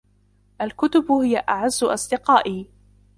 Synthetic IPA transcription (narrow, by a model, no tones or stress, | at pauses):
ʔalkʊt̪ʊbhɪjaʔaʕazːʊʔɑ̰sˤd̪ɪqɑːʔiː